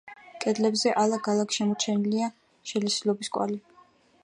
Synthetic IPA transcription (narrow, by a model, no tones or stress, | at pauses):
kʼɛd̪lɛbzɛʔalˠaɡalˠakʃɛmɔt͡ʃʰɛnilia | ʃɛlɛsilˠɔbiskʼwa̰li